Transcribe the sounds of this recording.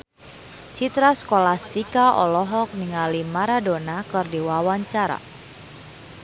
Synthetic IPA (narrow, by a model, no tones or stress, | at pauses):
t͡ʃit̪ɾaskolast̪ikaɔ̰lɔɦɔk̚niŋalimaɾadonakɨrdiwawaɲt͡ʃaɾa̰